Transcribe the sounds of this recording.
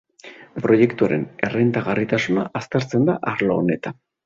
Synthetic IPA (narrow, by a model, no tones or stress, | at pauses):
pɾo̞je̞kt̪uaɾe̞̰ne̞rejnt̪aɣarit̪asunaʔːst̪eɾt͡se̞nd̪aʔaɾloone̞t̪an